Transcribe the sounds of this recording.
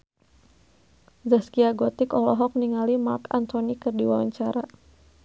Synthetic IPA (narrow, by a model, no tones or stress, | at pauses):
zəskiaɡɔt̪ikɔlɔɦɔk̚niŋalimarka̰nt̪ʰɔnikɨrdiwawa̰ɲt͡ʃaɾa